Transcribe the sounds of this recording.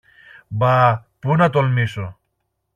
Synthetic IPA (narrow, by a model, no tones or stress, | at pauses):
bapunɐt̪olmiso